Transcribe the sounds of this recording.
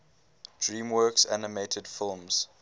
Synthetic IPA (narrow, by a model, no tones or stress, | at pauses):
d̥ɹĩːmwɜːˑksa̰nəmeɪtʰəd̥fɪlˠmz̥